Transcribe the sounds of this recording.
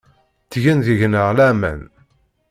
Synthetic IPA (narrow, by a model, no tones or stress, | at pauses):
t͡sːʝænðəʝnəʁlæmæ̰n